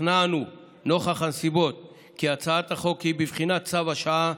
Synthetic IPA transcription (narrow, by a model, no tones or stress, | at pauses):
nanu | no̞χaχanesibo̞t̪̚ | kiat͡saat̪haχo̞khibivχinat̚t͡savaʃaa